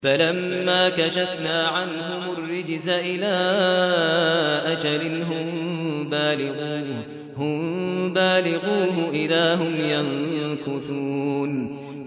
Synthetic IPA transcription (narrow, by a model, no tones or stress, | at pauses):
falamːaːkaʃafnaːʕanɦʊmʊrːɪd͡ʒzaʔɪlaː | ʔad͡ʒalɪnɦʊmbaːlɪɣuː | hʊmbaːlɪɣuːɦʊʔɪlaːɦʊmjankʊt̪uːn